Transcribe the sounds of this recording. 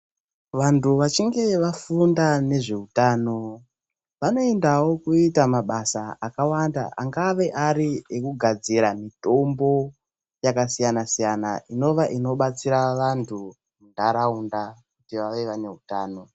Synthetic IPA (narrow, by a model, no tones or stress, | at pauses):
ʋantʰuʋat͡ʃiŋɡe̞ʋafundane̞ʐe̞utaːno̞ | ʋano̞e̞ndawo̞kuitamaɓasaakawanda̰ʔaŋɡaʋe̞ʔaɾiekuɡʱad͡ziɾamito̞mbo̞ | jakasijanasijana̰ʔino̞ʋaʔino̞ɓat͡siɾaʋantʰu | mundaɾaundakutiʋaʋe̞ʋane̞ɦutaːno̞